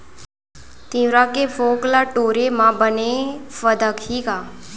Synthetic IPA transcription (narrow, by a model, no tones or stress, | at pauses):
t̪ĩʋɾakefoklaʈoɾemãbənefəd̪əkɦiɡa